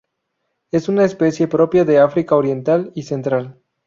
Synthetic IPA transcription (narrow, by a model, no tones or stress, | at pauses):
e̞sunaespe̞sje̞pɾo̞pjaðe̞afɾikaoɾje̞nt̪alise̞nt̪ɾal